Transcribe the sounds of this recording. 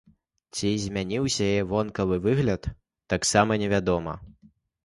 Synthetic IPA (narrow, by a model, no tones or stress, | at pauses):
t͡sʲizʲmʲanʲiwsʲɐjjɛvɔnkɐvɨvɨɣlʲɐt̪ː | aksamɐnʲɛvʲad̪ɔmɐ̰